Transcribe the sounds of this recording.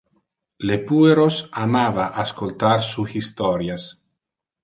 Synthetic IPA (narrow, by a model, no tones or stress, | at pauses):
lepueɾosamavaʔaskolt̪aɾsuxist̪ɔɾjas